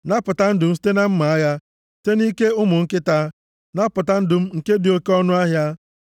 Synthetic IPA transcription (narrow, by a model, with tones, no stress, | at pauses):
na˦pʊ˨ta˦n̩˦dʊ˨m̩˦s̬i̥˦te˦na˦m̩˦ma˨a˦ja˦ | ste˦ni˦ke˦ʊ˦mʊ˨ŋ̩˦kɪ˦ta˦ | na˦pʊ˨ta˦n̩˦dʊ˨m̩˦ŋ̩˨ke˦di˨o˦ke˦ɔ˦nʊ˦a˦ɦja˦